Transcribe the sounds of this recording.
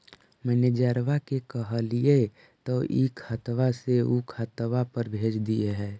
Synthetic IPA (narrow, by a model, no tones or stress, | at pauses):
mɛːned͡ʒəɾʋakekəɦəlije | t̪oʔikʰət̪ʋaseukʰət̪ʋapəɾbʱeːd͡ʒd̪ieɦɛ̃ː